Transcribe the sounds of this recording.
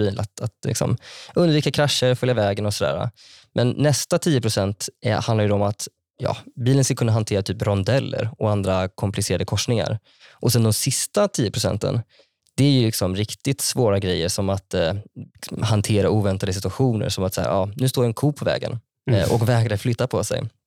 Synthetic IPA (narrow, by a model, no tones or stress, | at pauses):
iːlat̪at̪lɪ̰ksɔ̰mʔɵnd̪viːkakʰɾaʂːəɾfœljavɛːɡənɔsɔd̪æ̰ːɾa̰ | mʔɛnːɛst̪at̪ʰiːəpʰɾʊsɛnt̪hand̪laɾjʏd̪ɔɔmat̪ | jɑ̰ːbiːlənsklkʰɵnːaɦant̪ʰeːɾat̪ʰyːpɾɔnd̪ɛlːə̰ɾɔand̪ɾakʰɔmplɪseːɾad̪əkʰɔʂnɪŋa̰ɾ | ʔɔsɛnd̪ɔmsɪst̪at̪ʰiːəpʰɾʊsɛ̰nt̪ə̰n | d̪̥ɛæɾjɵlɪksɔmɾɪkt̪ɪt̪svoːɾaɡɾɛjːəʂɔmat̪ | mɦant̪ʰeːɾaʔuːvɛnt̪ad̪əs̬ɪt̪ɵ̟aɧuːnə̰ɾʂɔmat̪saæ̰ːɾʔɑːnʉst̪oːɾɛnkʰuːpʰːɔvɛ̰ːɡə̰n | ʔɔkvɛːɡɾaflʏt̪ːapʰɔsɛ̰j